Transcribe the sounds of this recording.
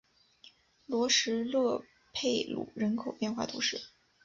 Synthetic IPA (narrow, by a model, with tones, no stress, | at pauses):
lwɔ˧˥ʂɻ̩˧˥lɤ˥˧ | pʰe˥˩ɪlṵ˨˩ɻə˧˥nkʰo˨ʊpjɛ˥˧nxwa̰˥˩t̪ʰṵ˧˥ʂɻ̩˥˩